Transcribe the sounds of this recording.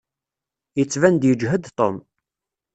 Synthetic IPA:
jət͡sːvænd̪jəd͡ʒɦəd̪t̪ˤom

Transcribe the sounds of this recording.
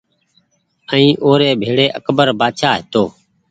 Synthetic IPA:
ə̃ĩːʔoːɾeːbʱeːɽeːʔəkbəɾbaːd̪ʃaːɦɪt̪oː

